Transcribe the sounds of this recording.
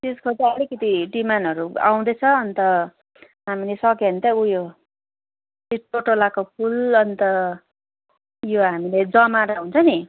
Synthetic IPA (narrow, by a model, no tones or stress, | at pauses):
t̪eskot͡saʌlikʌt̪iɖimanɦʌɾua̰w̃d̪ʌt͡sʰʌːnt̪ʌ | ɦamilesʌkʌnt̪ʌujo | iʈoʈolakopʰulʌnt̪ʌ | joɦamiled͡zʌmaɾaɦunt͡sʰʌni